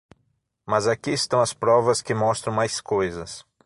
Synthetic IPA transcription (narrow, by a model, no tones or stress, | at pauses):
mɐzakiɪst̪ɐ̃w̃ɐspɾɔvɐskɪmɔst̪ɾɐ̃w̃majskojzɐs